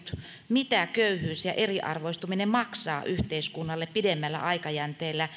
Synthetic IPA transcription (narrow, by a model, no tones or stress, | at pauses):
t̪ | mit̪ækøyhyːsjɑʔeriʔɑ̰rʋoist̪uminemɑksɑ̰ːʔyht̪eiskunːɑlːeppidemːælːæ̰ʔɑikɑjænt̪eːlːæ